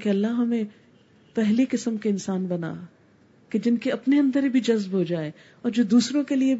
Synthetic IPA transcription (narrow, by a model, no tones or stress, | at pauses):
keɐlːaɦɐmẽ | pɛɦlikɪsəmkeɪnsaːnbɐna̰ː | ked͡ʒɪnkeɐpneɐ̃nd̪əɾibʱid͡ʒɐzbɦod͡ʒaːeː | ɔːɾd͡ʒoːd̪uːsɾõkelie